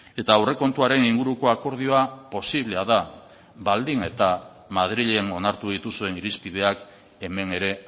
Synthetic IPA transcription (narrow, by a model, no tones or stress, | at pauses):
e̞t̪aːwre̞ko̞nt̪uaɾe̞niŋɡuɾuko̞ako̞ɾð̞io̞apo̞siβ̞le̞aða | βald̪iŋe̞t̪a | mað̞ɾiʎe̞no̞naɾt̪uðit̪usue̞niɾispið̞e̞ak | e̞me̞ne̞ɾe̞